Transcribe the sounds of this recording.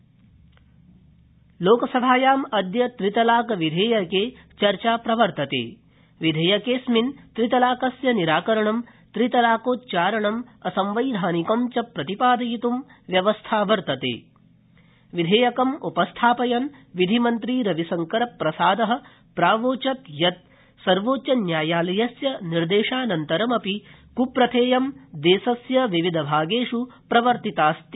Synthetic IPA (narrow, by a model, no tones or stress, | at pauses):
loːkɐsɐbʱaːjaːmɐd̪jɐt̪ɾit̪ɐlaːkɐʋid̪ʱeːjɐkeː | t͡ʃɐɾt͡ʃaːpɾɐʋɐɾt̪ɐt̪ḛː | ʋid̪ʱeːjɐkeːsmint̪ɾit̪ɐlaːkɐsjɐniɾaːkɐɾɐɳɐm | t̪ɾit̪ɐlaːkoːt̪t͡ʃaːɾɐɳɐmɐsɐmʋɐjd̪ʱaːnikomt͡ʃɐpɾɐt̪ipaːd̪ɐjit̪umʋjɐʋɐst̪ʰaːʋɐɾt̪ɐt̪ḛː | ʋid̪ʱeːjɐkɐmupɐst̪ʰaːpɐjɐnʋid̪ʱimɐnt̪ɾiːɾɐʋisɐŋkɐɾɐpɾɐsaːd̪ɐɦɐ̆ | pɾaːʋoːt͡ʃɐt̪jɐt̪̚ | sɐɾʋoːt͡ʃɐnjaːjaːlɐjɐsjɐniɾd̪eːʂaːnɐnt̪ɐɾɐmɐpi | kupɾɐt̪ʰeːjɐmd̪eːsɐsjɐʋiʋid̪ʱɐbʱaːɡeːʂupɾɐʋɐɾt̪it̪aːst̪